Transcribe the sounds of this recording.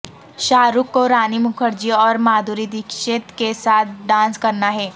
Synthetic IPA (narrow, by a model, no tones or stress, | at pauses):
ʃaːɾukːoɾaːnimʊkʰəɾd͡ʒiɔːɾmaːd̪ʱuɾid̪ɪkʃet̪kesaːt̪̚ʰɖãːnskɐɾnaɦɛː